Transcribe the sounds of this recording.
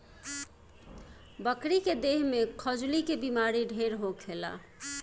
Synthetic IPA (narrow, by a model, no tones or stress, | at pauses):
bəkɾiked̪eɦmekʰəd͡ʒlikebimaɾiɖʱeɾɦokʰela̰